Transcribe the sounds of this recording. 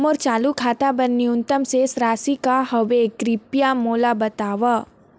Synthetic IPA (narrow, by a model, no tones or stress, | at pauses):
mɔɾt͡ʃaːlukʰaːt̪abənːiʊnt̪əmsesɾaːsikahɐʋeɡɾipjamoːlabɐt̪aːʋa